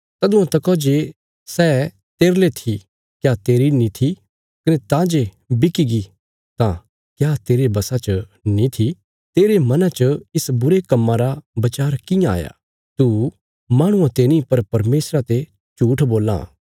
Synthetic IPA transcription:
t̪ɐd̪ʊ̃ãt̪ɐkɔd͡ʒe | sɛː | t̪eːɾlet̪ʰi | kjat̪eːɾinĩt̪ʰi | kɐnet̪ãd͡ʒe | bɪkiɡi | t̪ã | kjaːt̪eːɾebɐsat͡ʃənĩt̪ʰi | t̪eːɾemɐnãt͡ʃəɪsbʊɾekɐmːãɾabɐt͡ʃaːɾkɪ̃jãa̰ːja̰ː | t̪u | maːɽ̃ʊ̃ãt̪eːnĩpɐɾpɐɾmeːsɾat̪e | t͡ʃuːʈʰboːlã̰ː

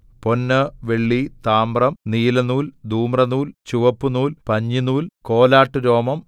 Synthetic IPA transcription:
po̞nːɨʋeɭːit̪aːmrɐmniːlɐnuːld̪uːmrɐnuːlt͡ɕuʋɐpːunuːlpɐɲːinuːlko̞ːlaːʈːɨɾo̞ːmɐm

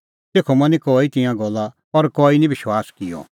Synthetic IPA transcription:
t̪eːkʰomɐ̃nikoːit̪ɪ̃jãɡɔlːa | ɔɾkoːinĩbɪʃwaːskɪjɔ̰

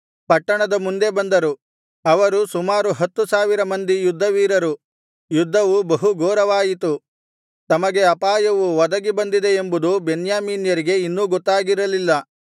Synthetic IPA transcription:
pɐʈːɐɳɐd̪ɐmund̪e̞bɐnd̪ɐɾu | ɐʋɐɾusumaːɾuɦɐt̪ːusaːʋiɾɐmɐnd̪ijud̪ʱːɐʋiːɾɐɾu | jud̪ʱːɐʋubɐɦuɡoːɾɐʋaːjit̪u | t̪ɐmɐɡe̞ɐpaːjɐʋuʋɐd̪ɐɡibɐnd̪id̪e̞ːmbud̪ubenjaːmiːnjɐɾiɡe̞inːuːɡɔt̪ːaːɡiɾɐlilːɐ

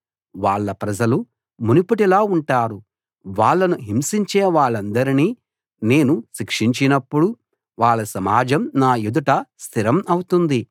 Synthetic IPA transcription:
ʋaːɭːɐpɾɐd͡ʒɐlu | munipuʈilaːuɳʈaːɾu | ʋaːɭːɐnuɦimsiɲt͡ʃeːʋaːɭːɐnd̪ɐɾiniː | ne̞ːnuʃikʂiɲt͡ʃinɐpːuɽu | ʋaːɭːɐsɐmaːd͡ʒɐmnaːjud̪uʈɐst̪ʰiɾɐmɐwut̪und̪i

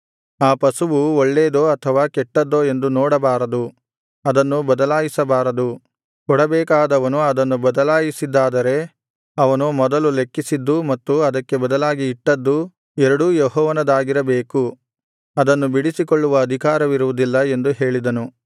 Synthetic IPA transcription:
aːpɐsuʋuoɭːeːd̪oːɐt̪ʰɐʋaːkɛʈːɐd̪ːo̞ːe̞nd̪unɔːɽɐbaːɾɐd̪u | ɐd̪ɐnːubɐd̪ɐlaːjisɐbaːɾɐd̪u | kɔɽɐbɛːkaːd̪ɐʋɐnuɐd̪ɐnːubɐd̪ɐlaːjisid̪ːaːd̪ɐɾe̞ | ɐʋɐnumɔd̪ɐlule̞kːisid̪ːumɐt̪ːuɐd̪ɐkːe̞bɐd̪ɐlaːɡiːʈːɐd̪ːu | ɛɾɐɽujɔɦɔːʋɐnɐd̪aːɡiɾɐbeːku | ɐd̪ɐnːubiɽisikoɭːuʋɐːd̪ʱikaːɾɐʋiɾuʋud̪ilːɐe̞nd̪uɦe̞ːɭid̪ɐnu

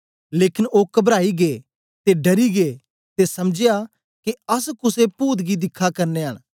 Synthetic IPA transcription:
leːkɪnoːkɐbɾaːiɡeː | t̪eɖɐɾiɡeː | t̪esɐmd͡ʒɪja | keɐskʊsepuːd̪ɡid̪ɪkʰːakɐɾneɦɐ̰ɽ̃

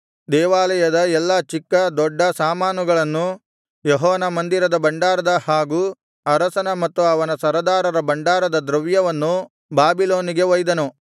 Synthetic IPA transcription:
d̪ɛːʋaːlɐjɐd̪ɐɛlːɐt͡ʃikːɐd̪ɔɖːɐsaːmaːnuɡɐɭɐnːu | jɔɦɔːʋnɐmɐnd̪iɾɐd̪ɐbɐɳɖaːɾɐd̪ɐhaːɡuː | ɐɾɐsɐnɐmɐt̪ːuɐʋɐnɐsɐɾɐd̪aːɾɐɾɐbɐɳɖaːɾɐd̪ɐd̪ɾɐʋjɐʋɐnːu | baːbiloːniɡe̞ʋɔjd̪ɐnu

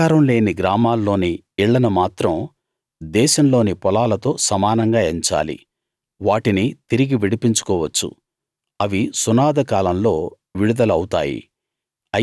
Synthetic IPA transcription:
aːɾɐmle̞ːniɡɾaːmaːlːo̞ːni | iɭːɐnɐmaːt̪ɾɐm | d̪ɛːʃɐmlo̞ːnipɔlaːlɐt̪o̞ːsɐmaːnɐŋɡaːeɲt͡ʃa̰ːlḭ | ʋaːʈinit̪iɾiɡiʋiɽipiɲt͡ʃu̥kɔːʋɐt͡ʃːṵ | ɐʋisunaːd̪ɐkaːlɐmlo̞ː | ʋiɽud̪ɐlɐwut̪a̰ːjḭ | ɐ

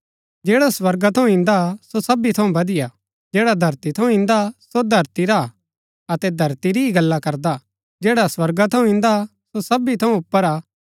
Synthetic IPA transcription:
d͡ʒɛːɽaswɐɾɡat̪ʰɐũɪ̃nd̪asosɐbit̪ʰɐũbɐd̪ɪja | d͡ʒɛːɽad̪ʱɐɾt̪it̪ʰɐũɪ̃nd̪asod̪ʱɐɾt̪iɾa | ɐt̪ɛd̪ʱɐɾt̪iɾiiɡɐlːakɐɾd̪a | d͡ʒɛːɽaswɐɾɡat̪ʰɐ̃ũɪ̃nd̪a | sosɐbit̪ʰɐ̃ũʊpːəɾaː

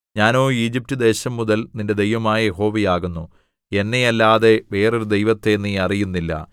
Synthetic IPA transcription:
ɲaːnoːiːd͡ʑip̚tːɨd̪e̞ːɕɐmːuðɐlninde̞d̪e̞jʋɐmaːjɐjeɦo̞ːʋijaːɣunːu | e̞nːejɐlːaːðe̞ʋe̞ːroɾud̪e̞jʋɐt̪ːe̞nːiɐrijunːilːɐ̰

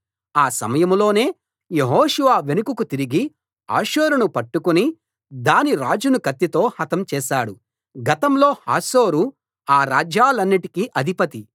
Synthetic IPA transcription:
aːsɐ̰mɐjɐmlo̞ːne̞ː | jeɦoːʃuʋaːʋe̞nukukut̪iɾiɡi | a̰ːʃoːɾunupɐʈːukuni | d̪aːniɾaːd͡ʒunukɐt̪ːit̪o̞ːhɐt̪ɐmt͡ʃɛːʃaːɽu | ɡɐt̪ɐmlo̞ːha̰ːso̞ːɾu | aːɾaːd͡ʒaːlɐnːiʈi̥kiʔɐd̪ʱipɐt̪i

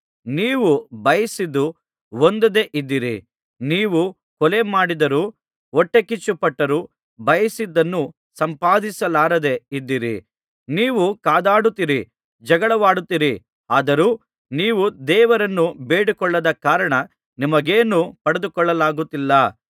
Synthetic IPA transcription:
niːʋubɐjɐsid̪ːu | wond̪ɐd̪eʔid̪ːiɾḭ | niːʋu | kɔlemaːɽid̪ɐɾuː | ɔʈːekit͡ʃːupɐʈːɐɾuː | bɐjɐsid̪ːɐnːu | sɐmpaːd̪isɐlaːɾɐd̪e̞id̪ːiɾḭ | niːʋukaːd̪aːɽut̪ːiɾi | d͡ʒɐɡɐɭɐʋaːɽut̪ːiɾi | aːd̪ɐɾuː | niːʋud̪ɛːʋɐɾɐnːubeːɽikɔɭːɐd̪ɐkaːɾɐɳɐ | nimɐɡeːnupɐɽed̪ukɔɭːɐlaːɡut̪ːilːɐ

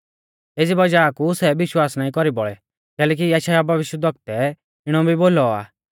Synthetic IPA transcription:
eːd͡zibɐd͡ʒaːkusɛʋɪʃwaːsnaːĩkɔɾibɔɭɛ | kɛːlɛːk̬ijɛʃajabʱɐʋɪʃəd̪ʱɔk̚t̪ɛ | ɪɽ̃ɔbʱiboːlɔa̰ː

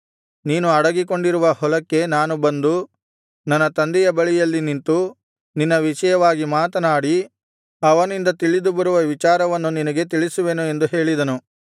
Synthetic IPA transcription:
niːnuɐɽɐɡik̬o̞ɳɖiɾuʋɐhɔlɐkːe̞naːnubɐnd̪u | nɐnːɐt̪ɐnd̪ɛjɐbɐɭijɐlːinint̪u | ninːɐʋiʂɐjɐʋaːɡimaːt̪ɐnaːɽi | ɐʋɐnind̪ɐt̪iɭid̪ubɐɾuʋɐʋit͡ʃaːɾɐʋɐnːuninɐɡet̪iɭisuʋe̞nue̞nd̪uɦe̞ːɭid̪ɐnu

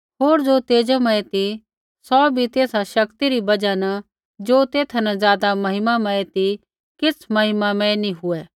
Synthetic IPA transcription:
ɦoːɾd͡ʒot̪eːd͡ʒəmɐet̪i | sɔːbʱit̪eːsaʃɐkt̪iɾibɐd͡ʒanɐ | d͡ʒoːt̪eːt̪ʰɐnɐ̃zjaːd̪amɐɦɪmamɐet̪i | kɪt͡sʰmɐɦɪmamɐ̃enĩɦʊɛː

